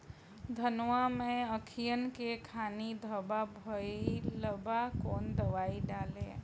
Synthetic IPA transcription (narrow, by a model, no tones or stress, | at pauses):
d̪ʱənʋamẽəkʰijənkekʰaːnid̪ʱəbabʱəiləbakoːnd̪əʋaːiɖaːlḛ̃